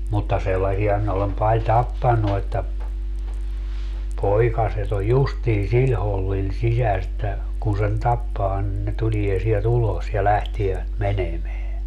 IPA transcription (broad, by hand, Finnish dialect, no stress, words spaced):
mutːɑ selːɑsiɑ minæ olem pɑlʲ tɑpːɑnːu etːæ poikɑset o justiː silʲ holːil sisæs etːæ kun sen tɑpːɑː nin ne tulie sielt ulos jɑ læhtieʋæt menemeæ